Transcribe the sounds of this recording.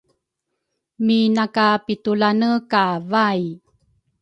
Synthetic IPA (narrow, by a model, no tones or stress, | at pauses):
minakapitulanəkavaj